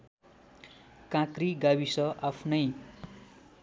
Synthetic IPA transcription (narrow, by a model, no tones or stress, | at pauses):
kãkriɡabisʌʔapʰnʌj